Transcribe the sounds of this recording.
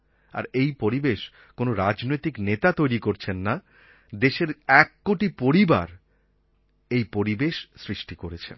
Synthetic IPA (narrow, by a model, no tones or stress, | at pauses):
a̰ɾejpoɾibeʃ | konoɾad͡ʑnojt̪iknet̪at̪ojɾikoɾt͡ɕʰenːa | d̪eʃeɾɛkːoʈipoɾiba̰ɾ | ejpoɾibeʃsɾiʃʈikoɾet͡ɕʰḛn